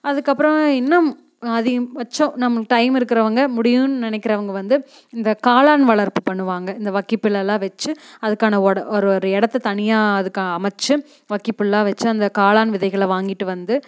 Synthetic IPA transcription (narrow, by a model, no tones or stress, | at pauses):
ɐðɯkːɐpːɯɾɐ̃ɪnːɐm | ɐðɪʋɐt͡ʃːõnɐmːɐkʈɐɪmɪɾɯkːɪɾɐʋɐŋɡɐmʊɽɪjɯnɯnɪnɛkːɪɾɐʋɐŋɡɐʋɐnd̪ɯ | ɪnd̪ɐkaːlaːnʋɐɭɐɾpɯpɐɳːɯʋaːŋɡɐɪnd̪ɐʋɐkːipːɪɭːɐlãːʋɛt͡ʃːɯɐðɯkːaːnɐɔɽɐʔɔɾɯɔɾɯɛɽɐt̪ːɯt̪ɐɳɪjaːɐðɯkːaːnɐːmɐt͡ʃːɯ | ʋɐkːipːɪɭːãːʋɛt͡ʃːɯɐnd̪ɐkaːlaːnʋɪðɐɪɣɐɭʋaːŋɡɪʈːɯʋɐnd̪ɯ